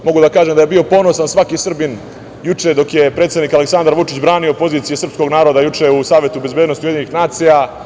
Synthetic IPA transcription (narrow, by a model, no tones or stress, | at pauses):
mo̞ɡud̪akaːʒemd̪aje̞bio̞po̞nosansʋakisr̩bin | jut͡ʂed̪o̞kje̞pɾet̪sed̪nikaleksand̪aɾʋut͡ʃit͡ɕbɾaːniopo̞ziːt̪sijesr̩psko̞ɡnaːɾod̪ajut͡ʂeusaːʋje̞t̪ube̞zbeːd̪nost̪ujeiɲenixnaːt̪sija